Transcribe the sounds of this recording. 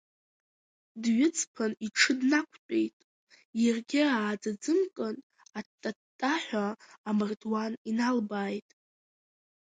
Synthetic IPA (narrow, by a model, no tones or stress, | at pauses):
dɥʊt͡sʰʼpʰaniʈ͡ʂʰɨdnakʷʰt͡pʲʼejtʼ | jarɡʲɪaːd͡zad͡zɨmkʼɨn | atʼːatʼːaħʷᶣaːmɨrdwaninalbaːjtʼ